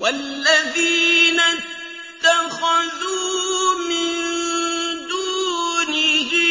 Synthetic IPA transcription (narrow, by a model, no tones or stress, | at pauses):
walːaðiːna | t̪ːaxaðuːmɪn | d̪uːnɪɦ